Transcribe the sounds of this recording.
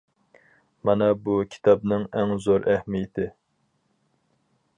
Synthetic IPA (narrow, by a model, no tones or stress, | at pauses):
mɑnɛbukʲʰi̥t̪ʰɑbnɪŋæŋzoɾʔæhmijɪt̪ʰɪ